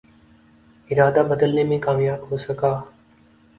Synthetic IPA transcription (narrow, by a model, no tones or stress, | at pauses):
ɪɾaːd̪aːbəd̪əlneːmẽːkaːmjaːbɦoːsəkaː